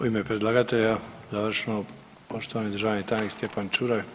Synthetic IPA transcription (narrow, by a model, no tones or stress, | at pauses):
oimepɾed̪lˠaɡat̪eʎazaːʋr̩ʃeno | poʃt̪oʋaːnid̪ɾʒaʋanit̪ajnikst̪jepant͡ʃuɾaj